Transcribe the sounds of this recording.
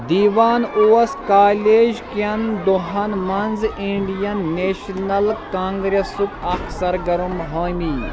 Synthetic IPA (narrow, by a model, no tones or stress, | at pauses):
d̪iːʋaːnoːɐskaːleːd͡ʒkɐnd̪oɦɐnmɐnziɳɖijɐnːeːʃnɐlkãːŋɡɾesukɐksɐɾɡɐɾumɦɐːmiː